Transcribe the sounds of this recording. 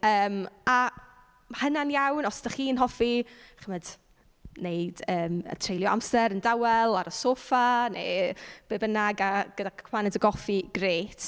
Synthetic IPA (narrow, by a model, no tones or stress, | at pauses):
əːma | hənanjawnɔsd̥aχiːnɦɔfiχəməd | nejdəːmə̰tʰrejlˠjɔa̰msɛɾəndawɛlˠaɾəsoːfanḛb̥ebənaɡaɡ̥ədakʰwanɛdəɡɔfiɡ̥reːtʰ